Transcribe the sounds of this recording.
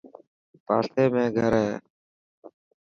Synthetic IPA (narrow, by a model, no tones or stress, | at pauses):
pa̰ːseːmẽːɡʱəɾɦeː